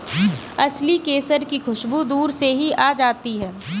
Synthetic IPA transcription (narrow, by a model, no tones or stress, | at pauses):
ɐslikeːsəɾkixʊʃbud̪uːɾseɦiʔaːd͡ʒaːt̪iɦɛː